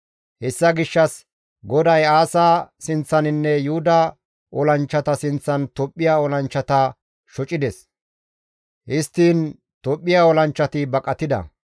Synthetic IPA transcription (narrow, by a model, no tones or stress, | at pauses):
hɛsːɐɡɪʃːɐs | ɡɔd̪ɐjaːsaːsɪnt͡sːɐnɪnːɛjuʊd̪ɐ | ʔɔlɐnt͡ʃːɐt̪ɐsɪnt͡sːɐnt̪ɔpʼːɪjaːɔlɐnt͡ʃːɐt̪ɐ | ʃɔt͡ʃʼɪd̪ɛs | hɪst̪ːiːn | t̪ɔpʼːɪjaːɔlɐnt͡ʃːɐt̪ɪbɐkʼɐt̪ɪd̪ɐ̰